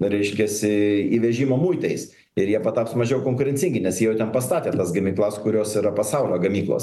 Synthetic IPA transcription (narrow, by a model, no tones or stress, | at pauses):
ɾʲɛɪʃʲkʲɛsʲɪiːʋʲɛʒʲiːmoːmuːɪt̪ɐɪs | ɪɾjiɛpɐt̪ɑːpsmɐʒʲɛʊkoːŋkʊɾʲɛnʲt͡sʲsʲɪŋʲɡʲɪnʲɛsjiɛjɛʊt̪ʲɛnpɐst̪ɑːt̪ʲeːt̪ɐsɡɐmʲiːklˠɐskʊɾʲoːsiɾɐpɐsɐʊlʲoːɡɐmʲiːklˠo̰ːs